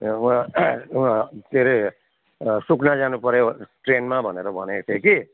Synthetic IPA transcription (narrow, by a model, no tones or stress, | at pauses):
t̪ʰeɾʌj | suknad͡zanupʌɾjoʈrenmabʱʌneɾʌbʱʌnet̪ʰeki